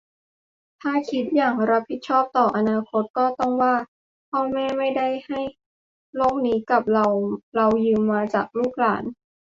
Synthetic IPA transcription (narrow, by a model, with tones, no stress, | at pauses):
t̪ʰaː˥˩kʰi˦˥t̪̚jaː˨˩ŋɾa˦˥pʰi˨˩t̪̚t͡ɕʰɔː˥˩p̚t̪ɔː˨˩ʔa˧naː˧kʰo˦˥t̪̚kɔː˥˩t̪ɔ˥˩ŋwaː˥˩ | pʰɔː˥˩ŋmɛː˥˩ma˥˩jda˥˩jha˥˩j | loː˥˩k̚niː˦˥ka˨˩p̚la˧wɾa˧wjɯː˧mːaː˧t͡ɕa̰ː˨˩k̚luː˥˩k̚laː˩˦n